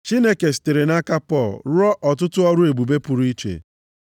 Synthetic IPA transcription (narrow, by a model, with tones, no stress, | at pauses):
t͡ʃi˦ne˦ke˨s̬i̥˨te˨ɾe˨na˦ka˦pɔ˦˨lɾɔ˦ʔɔ˨tʊ˦tʊ˦ɔ˦ɾʊ˦e˨bu˨be˦pu˨ɾu˨˦i˦t͡ʃḛ˨